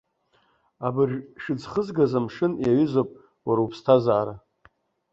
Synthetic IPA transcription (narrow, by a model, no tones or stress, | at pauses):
abɨrʂɨd͡zχəzɡazamʂɨnjaɥʏzopʼ | waɾupʰstʰazaːɾa